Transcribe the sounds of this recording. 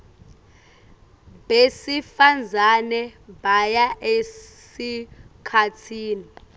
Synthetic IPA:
besifand͡zʱanɛbajaʔesikʰatʰiːni

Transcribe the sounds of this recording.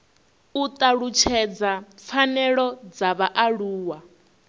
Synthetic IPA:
ut̪ʼaɺut͡ʃʰɛd͡zafʰanɛɺɔd͡zaβaʔaɺuːwa

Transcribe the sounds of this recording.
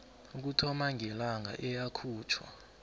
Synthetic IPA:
uk̬utʰɔmaŋʱɛlaŋʱa̰ʔɛjakʰuːt͡ʃʰwa̰

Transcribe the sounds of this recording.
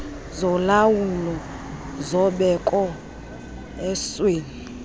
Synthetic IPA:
zɔlawulɔ | zɔɓɛkʼɔ | ɛsweːni

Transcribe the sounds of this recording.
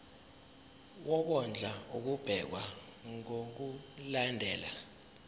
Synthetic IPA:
wɔɓɔnd͡ɮʱauk̬ub̥ʱɛk̬wa | ŋok̬ulandʱɛːla

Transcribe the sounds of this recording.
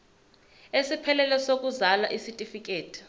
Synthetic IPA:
esipʰɛlɛlɛsok̬ʼuzalaʔisitʼifik̬ʼeːtʰi̥

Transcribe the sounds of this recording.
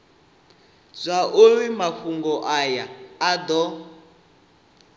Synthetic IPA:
zʷaʔowimaɸuŋɡɔʔajaːdɔ

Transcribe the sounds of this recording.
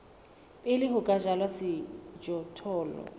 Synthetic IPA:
pʼɪlɪɦʊkʼaʒalwasɪd͡ʒɔtʰɔːlɔ̰

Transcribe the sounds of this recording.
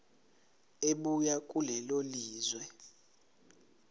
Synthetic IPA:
eɓujakʼulɛloliːzwɛ

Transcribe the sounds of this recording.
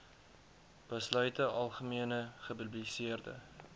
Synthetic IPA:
b̥əslœɥtəʔɐlˠχəmiənəχəpyblisiərdə̰

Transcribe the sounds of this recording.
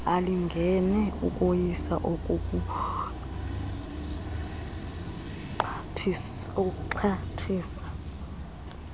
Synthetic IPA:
aliŋɡʱɛnɛṵk̬ʼojisa̰ʔok̬ʼukʼu | tʰok̬ʼǃʰatʰiːsḁ

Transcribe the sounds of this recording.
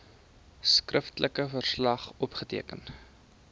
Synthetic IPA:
skrəftlʔəkəfərslɐχɔpχətiəkən

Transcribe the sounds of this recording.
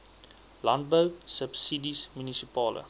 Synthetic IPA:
lant̚bəwsəpsidismynisipɑːlʔə̰

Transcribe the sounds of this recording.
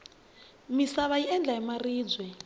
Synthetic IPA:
misaβaiɛnd͡ɮaimariːd͡zwɛ

